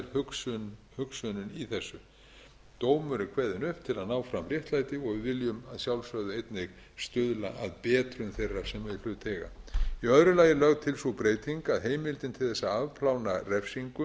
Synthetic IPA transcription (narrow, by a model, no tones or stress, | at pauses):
ɾhʏksnhʏksœnʏniθɛsːʏ | t̪oːwmʏɾɪkʰvɛðɪnʏhpt̪ʰɪlaðnaːwfɾamrjɛht̪laːjt̪ɪɔɣvɪvɪljʏmaðsjawlsœɣðʏejt̪nɪɣ | st̪ʏðla̰ʔaðpɛːt̪ɾʏnθejrːḁsɛmɛðɪflʏt̪ʰɛɣa̰iœðɾʏlaːjɪlœɣtt̪ʰɪlsupɾeːjt̪ʰiŋkaðɦeːjmɪlt̪ɪnt̪ʰɪlθɛsːaavpʰlawnarɛfsiŋkʏ